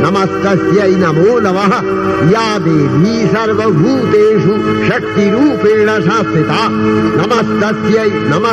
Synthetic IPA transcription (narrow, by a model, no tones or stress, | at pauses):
nɐmɐst̪ɐsjɐjnɐmoːnɐʋɐɦɐ̆ | jaːd̪eːbʱiːsɐɾʋɐbʱuːt̪eːʂu | ʃɐk̚t̪iɾuːpeːɳɐʃaːsit̪aː | nɐmɐst̪ɐsjɐjnɐmɐ